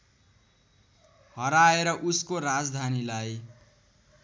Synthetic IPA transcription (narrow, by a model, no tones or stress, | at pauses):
hʌɾaeɾʌʔuskoɾad͡zd̪ʱanilaj